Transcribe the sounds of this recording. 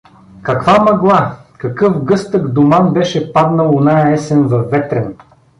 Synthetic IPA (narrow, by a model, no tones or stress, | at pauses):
kɐkvamɐɡlˠakɐkɤfɡɤst̪əɡd̪ʊmanbɛʃɛpad̪nəlˠʊnajɐɛsɛnvɐfːɛt̪ɾɛn